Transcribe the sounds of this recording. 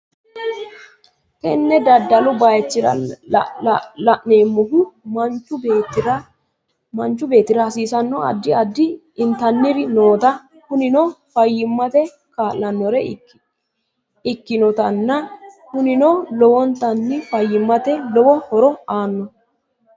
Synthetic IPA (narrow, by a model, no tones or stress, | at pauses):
k̪ɛnːɛd̪ɐd̪ːɐlʊbajɛt͡ʃːɪɾɐ̰ | lɐʔne̞ːmːɔɦʊmɐnt͡ʃːʊbeːt̪ɾɐ | mɐnt͡ʃːʊbe̞ːt̪ːɪɾɐhɐsiːsɐnːɔɐ̰d̪ːɪɐd̪ːɪː | nt̪ɐnːɪɾɪnoːt̪ɐ | hʊnɪnofɐjːɪmːɐt̪ɛ | kaːlːɐnːɔɾɛ | ɪkːɪnɔt̪ɐnːɐhʊnɪnolɔwɔnt̪ːɐnːɪfɐjːɪmːɐt̪ɛlɔwɔhɔɾɔaːnːɔ